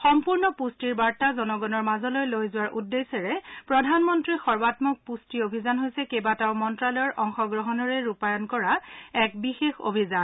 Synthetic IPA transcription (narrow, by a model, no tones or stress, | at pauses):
xɔmpuɹnɔpustiɹbaɹtazɔnɔɡɔnɔɹmazɔlojlojzʊwaɹʔudːesɛɹɛpɹɔdʱanmɔntɹixɔɹbatmɔk̚pustiobʱizanɦojsɛkebataʊmɔntɹalɔjɔɹʔɔŋxɔɡɹɔɦɔnɔɹɛɹupajɔnkɔɹaɛk̚bixexo̰bʱizan